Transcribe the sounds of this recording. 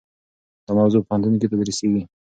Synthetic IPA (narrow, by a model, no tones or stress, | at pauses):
d̪̥əmawzopəɣant̪unoket̪ad̪ɾiseɡi